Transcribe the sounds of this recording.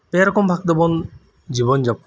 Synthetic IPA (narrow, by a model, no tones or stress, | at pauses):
peɾɔkʰɔmpʰak̚d̪ebɔn | d͡ʒibɔnd͡ʒap̚k